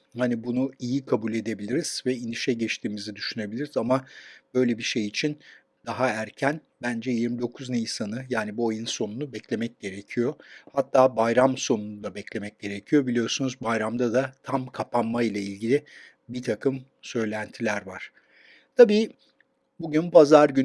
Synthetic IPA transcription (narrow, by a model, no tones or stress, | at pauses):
hanibunuijikʰabulʲe̞d̪e̞bilʲiɾiz̥vɛiniʃɛɟɛt͡ʃt̪ʰiːmizid̪yʃyne̞bilʲiɾizamab̥ø̞jlʲebiʃe̞jit͡ʃʰin | d̪aɦaæɾcʰæn | bænd͡ʒɛjiɾmid̪o̞kʰuznɛjisanɯjaːnibuajɯnso̞nunubɛclʲe̞mɛc̚ɟe̞ɾe̞cʰijo̞hat̪ʰːaːbajɾamso̞nunud̪abɛclʲe̞mɛc̚ɟe̞ɾecʰijo̞bilʲijo̞sunuzbajɾamd̪ad̪at̪ʰamkʰapʰanmailˠailʲɟilʲi | bit̪ʰakʰɯm | sø̞jlʲænt̪ʰilʲæɾvaɾ̥ | t̪ʰabiː | buɟynpʰazaɾɟyn